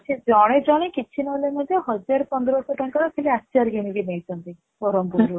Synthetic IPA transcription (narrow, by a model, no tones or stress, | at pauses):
t͡ʃʰed͡ʒɔɽ̃ed͡ʒɔɽ̃ekit͡ʃʰinɔlemɔd̪ʱjɔɦɔd͡ʒaɾɔpɔnd̪ɾɔsɔʈɔŋkaɾɔkʰeleatːt͡ʃaɾɡeɽ̃iɡenejt̪ʰɔnt̪i | pɔɾɔmpuɾu